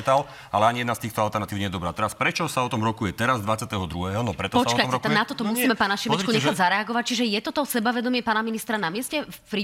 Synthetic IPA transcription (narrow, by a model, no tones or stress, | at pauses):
t̪al | alɛaɲijɛd̪nast̪iːxt̪ɔalt̪ɛɾnat̪iːʊɲɛjɛd̪ɔbɾaːt̪ɛɾaspɾɛt͡ʃɔsaɔt̪ɔmɾɔkujɛt̪ɛɾazd̪ʋat͡sɪat̪ɛɦɔd̪ɾuɦɛɦɔnɔpɾɛt̪ɔpsɔat͡ʃɔkaɔmɔɛat̪ɔt̪ɔmusiːmɛpaːnaʃimɛt͡ʃkuɲɛxaɟzaɾɛaɡɔʋac̚t͡ʃiʒɛjɛt̪ɔt̪ɔsɛbaʋɛd̪ɔmɪɛpaːnaminist̪ɾanamɪɛscɛfpɾi